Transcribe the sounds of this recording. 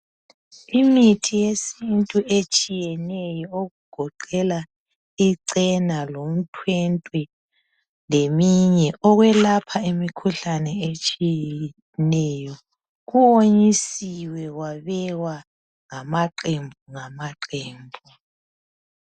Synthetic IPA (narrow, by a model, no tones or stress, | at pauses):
imitʰijesintʼuet͡ʃʼijɛnɛjɔoɣuɡ̥ʱɔǃɛla | iǀɛnalom̩tʰwɛntʼwɛ | lemiɲɛʔɔɣwɛlapʰaemikʰuɬanɛet͡ʃʼijɛ | nɛjɔ | ɣuoɲisiwɛɣwaβɛwa | ŋamaǃembʱuŋamaǃeːmbʱu